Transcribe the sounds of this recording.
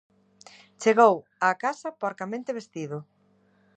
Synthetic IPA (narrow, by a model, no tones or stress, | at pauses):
t͡ʃeɣow | aːkasɐpaɾkamẽnt̪eβ̞est̪iðʊ